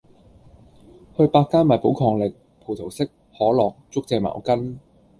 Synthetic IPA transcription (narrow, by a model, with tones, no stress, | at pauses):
hɵ˧ɥpaː˧kːaː˥nmaː˨˩jpo˨˥wkʰɔː˧ŋlɪ˨k̚ | pʰo˨˩t̪ʰo˨˩wsɪ˥k̚ | hɔː˨˥lɔː˨k̚t͡sʊ˥k̚t͡sɛː˧ma̰ː˨˩wkɐ˥n